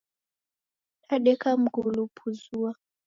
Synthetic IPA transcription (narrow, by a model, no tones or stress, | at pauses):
ɗaɗɛkam̩ɡulupʰuzua